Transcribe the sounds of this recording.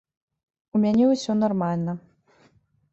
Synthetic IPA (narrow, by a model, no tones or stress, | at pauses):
umʲanʲɛusʲɔnarmalʲnɐ